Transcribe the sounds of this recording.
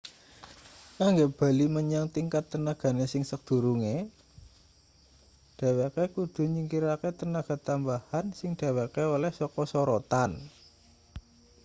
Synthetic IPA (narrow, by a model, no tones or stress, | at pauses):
kaŋɡeb̥a̤liməɲaŋt̪iŋkat̪ːənaɡ̥a̤nesɪŋsək̚d̪̥ṳɾuŋe | ɖ̥a̤wekekud̪̥ṳɲiŋkiɾaket̪ənaɡ̥a̤t̪ambahansɪŋd̪̥a̤wekeolɛhsɔkɔsɔɾot̪an